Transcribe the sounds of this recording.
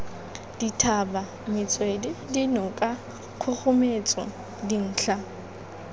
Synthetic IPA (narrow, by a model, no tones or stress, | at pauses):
d̥itʰaba | mɪt͡sʼwedɪdinɔkʼa | kʰʊχʊmet͡sʼɔ | din̩ːɬa